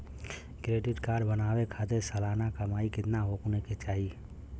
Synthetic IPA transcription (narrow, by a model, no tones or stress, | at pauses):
kɾeːɖɪʈkaːɾbənaːwekʰaːt̪esəlaːnakəmaːikɪt̪naɦoːkneket͡ʃaːɦi